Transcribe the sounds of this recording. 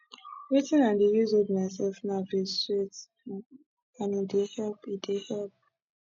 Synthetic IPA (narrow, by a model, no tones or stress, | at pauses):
wetĩnãndijizodmaɪs̬ɛlfnaviswet | ãnidehɛlpidehɛlp̚